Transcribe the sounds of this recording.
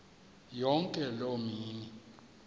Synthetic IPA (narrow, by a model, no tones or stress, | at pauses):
jɔŋkʼɛlomiːni